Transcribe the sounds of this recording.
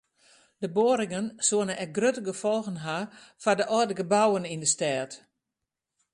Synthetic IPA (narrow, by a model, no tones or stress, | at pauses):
d̥əboːəɾɪŋənsuənənɛk̚ɡrøtəɡəfɔlˠɣənɦafadəʔɔdəɡəbawənindəstɛːt